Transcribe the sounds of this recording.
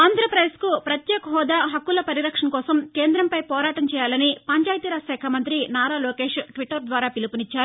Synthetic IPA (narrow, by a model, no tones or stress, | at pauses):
aːnd̪ɾɐpɾɐjeskupɾɐt̪jɛːkɐɦɔːd̪aːɦɐkːulɐpɐɾiɾɐkʂɐnkɔːsɐmkeːnd̪ɾɐmpɐjpɔːɾaːʈɐmt͡ʃɛːjaːlɐnipɐɲt͡ʃaːjt̪iɾaːsɛːkʰamɐnt̪ɾinaːɾaːlɔːkeːʂʈʋiʈːɐɾd̪ʋaːɾaːpilupunit͡ʃːaːɾu